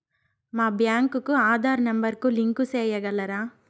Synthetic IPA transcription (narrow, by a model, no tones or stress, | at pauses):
maːbjaːŋkukuaːd̪ʱaːɾnɐmbɐɾkuliŋkuseːjɐɡɐlːɐɾaː